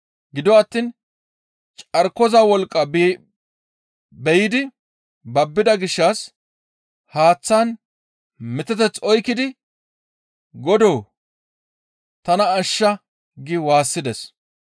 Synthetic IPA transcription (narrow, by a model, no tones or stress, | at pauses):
ɡɪd̪ɔɐt̪ːiːn | t͡ʃʼɐɾkːɔzɐwɔlkʼːɐ | bɛjɪd̪ɪ | bɐbːɪd̪ɐɡɪʃːɐs | haːt͡sːaːn | mɪt̪ɛt̪ɛt͡sːɔjkɪd̪ɪ | ɡɔd̪oː | t̪ɐnɐːʃːɐ | ɡɪwaːsːɪd̪ɛs